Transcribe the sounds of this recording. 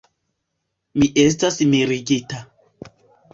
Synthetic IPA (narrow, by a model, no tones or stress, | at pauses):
miʔes̬tasmiɾiɡita